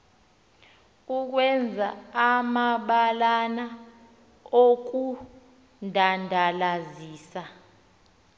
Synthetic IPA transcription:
uk̬wɛnd͡zʱaːmaɓalana | ok̬u | ndʱandʱalaziːsa

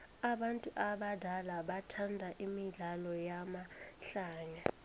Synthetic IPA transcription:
aɓantʼuʔaɓadʱalaɓatʰandʱaʔimiɮalɔjamaɬaːɲa

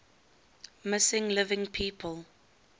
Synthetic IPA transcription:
mɪsɪ̃ŋlɪvɪ̃ŋpʰiːpʰəlˠ

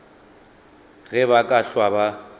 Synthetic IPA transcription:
ɣɛβakʼaɬwaba

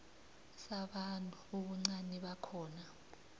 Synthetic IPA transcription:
saɓantʼuoɓuŋ͡ǀanɛɓakʰɔːna

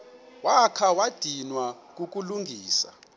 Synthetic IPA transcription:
wakʰawad̥ʱinwak̬uk̬ʼuluŋɡʱiːsa̰

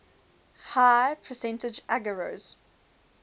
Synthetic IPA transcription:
haɪpʰəsɛ̃ntɪd͡ʒæɡəɹoz̥

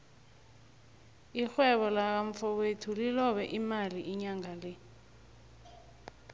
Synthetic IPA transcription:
ixwɛɓɔlak̬aɱfɔwetʰulilɔɓɛʔimaliʔiɲaŋalɛ

